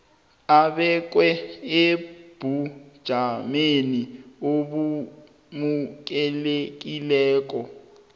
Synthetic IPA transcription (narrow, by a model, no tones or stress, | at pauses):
aɓɛk̬wɛeb̥ʱu̥ʒ̥ʱamenioɓu | muk̬ɛlek̬ʼilɛːk̬ɔ